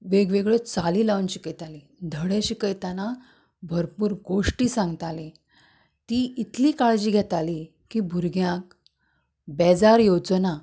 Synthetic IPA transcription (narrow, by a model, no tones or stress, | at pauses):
ʋeɡʋeɡɭet͡saliːlaʋunɕi̥kəjt̪ali | d̪ʱəɽeɕikəjt̪ana | bʱəɾpuːɾɡoʂʈiːsãŋɡt̪ali | t̪iːit̪liːkaɭd͡ʑiːɡʱɛt̪ali | kibʱuɾɡjãk̚ | bɛd͡zaɾjod͡zna